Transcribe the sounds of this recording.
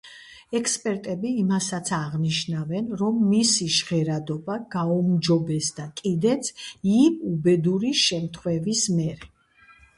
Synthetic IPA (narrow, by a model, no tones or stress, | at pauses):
ɛkʰspʼɛɾt̪ʼɛbiːmasat̪sʰaʁniʃnavɛnɾɔmːisiʃʁɛɾad̪ɔbaɡ̥aumd͡ʒɔbɛsd̪̥akʼid̪ɛt̪sʰimubɛd̪uɾiʃɛmt̪ʰχwɛvismɛɾɛ